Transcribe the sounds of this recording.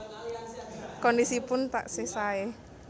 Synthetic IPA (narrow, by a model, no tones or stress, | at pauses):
kɔndisipʊnt̪a̰ʔsesae